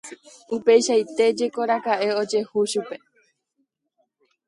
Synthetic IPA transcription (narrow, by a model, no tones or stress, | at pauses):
upejʃajt̪e̞d͡ʒe̞ko̞ɾakaʔe̞o̞d͡ʒe̞huʃupe̞